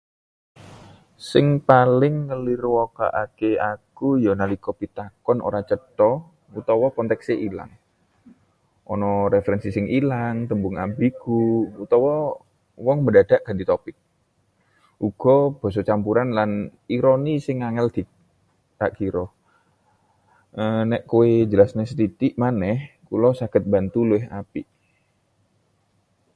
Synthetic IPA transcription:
sɪŋpalɪŋːəlirwɔka̰ʔakeakujɔnalikɔpit̪akɔno̰ɾat͡ʃət̪ɔ | ut̪ɔwɔkɔnt̪ɛkseʔila̰ŋ | ʔɔ̰nɔɾefəɾɛnsisɪŋʔilaŋt̪əmbʊŋa̰mbiɡuut̪ɔwɔ | wɔŋməndad̥aʔkandit̪opɪk̚ | ʔuɡ̥ɔb̥ɔ̤s̬ɔt͡ʃampuɾanlaniɾonisɪŋːaŋɛld̪̥i | aʔkiɾɔ | ənɛʔkowed͡ʒəlasnɛsət̪it̪iʔmanɛhkulɔsakət̪̚bant̪ulueɦa̰piʔ

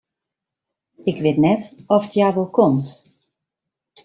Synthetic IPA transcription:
ɪkʋɪtnɛtɔfətjaːʋolˠkʰɔmt

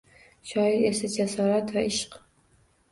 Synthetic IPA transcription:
ʃɒɪɾesad͡ʒasɒɾat̪vaɪʃq

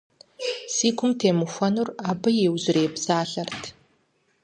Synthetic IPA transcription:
siːɡʷʰʊmtʰeːmɨxʷɐnuraːbɐjewzɪreːbz̥aːɬɐrtʰ

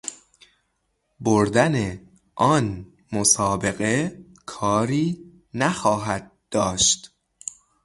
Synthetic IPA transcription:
boɾd̪æne | ʔɒːn | mosɒːbe̞ɣe̞ | kʰɒːɾiː | næxɒːɦæd̪̚d̪ːɒːʃt̪

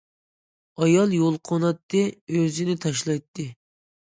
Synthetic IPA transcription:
ɑjɑlˠjolˠqʰonɑt̪ːɨøzɪnɪt̪ʰɑʃlˠɑjt̪ʰːɨ

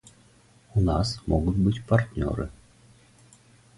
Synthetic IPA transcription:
unɑsmoɣut̪̚bɨtʲpart̪ʲnʲo̰ɾɨ̰

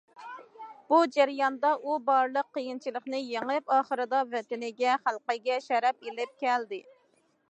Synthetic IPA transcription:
b̥ud͡ʒæɾjɑnd̪ɑʔubɑɾlˠəqːəjint͡ʃʰilˠəχnɪjeŋɪpɑːχəɾɨd̪ɑvɛt̪ɪnɪɡʲɛχælˠqəɡʲɛʃɛɾɛpelɪp̚kʲɛld̪ɪ

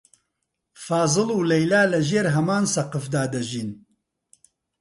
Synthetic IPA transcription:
fɑːzɨluːlɛjlaːlɨʒeːɾɦɐmaːnsɐqɨfd̪aːd̪ɐʒiːn

